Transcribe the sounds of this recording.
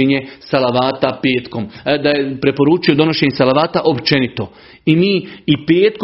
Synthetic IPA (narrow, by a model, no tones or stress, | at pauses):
eɲesalaʋaːt̪apeːt̪ko̞md̪ajepɾe̞po̞ɾuːt͡ʃio̞d̪o̞no̞ʃeːɲesalaʋaːt̪aʔo̞pt͡ʃe̞nit̪o̞ | imiːipeːt̪ko